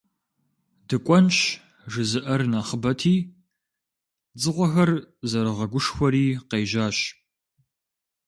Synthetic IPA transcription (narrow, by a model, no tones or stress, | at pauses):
dɨkʷʼɔnt͡ʃ | ʐɨzɨʔɐrnaːχəbɐtʰiː | d͡zɨʁʷɔxɐrzɐɾɨʁɐɡʷʊʂxʷɔɾiːqeːʒaːɕ